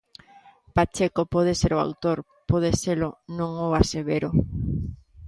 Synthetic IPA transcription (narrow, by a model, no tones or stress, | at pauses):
pat͡ʃekopɔð̞eseɾʊa̰wt̪oɾ | pɔð̞eselʊnõŋʊaseβeɾo